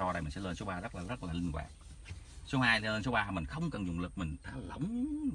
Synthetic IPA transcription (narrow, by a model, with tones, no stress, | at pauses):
ɔ˧ɗə˧jmi̟˨˩sɛ̰˧˥ləː˧nso˨˦ɓaː˧zə˦˥laː˨˩zə˦˥t̚laː˨˩lï˧ŋ̟kwa̰ː˨˩k̚su˨˦haː˧jləː˧nso˨˦ɓaː˧mï˨˩ŋ̟xə˧wŋ͡mkə˨˩nzʊ˨˩ŋ͡mlɨ˨˩k̚mï˨˩ŋ̟t̪aː˨˦lə˨˦wŋ͡m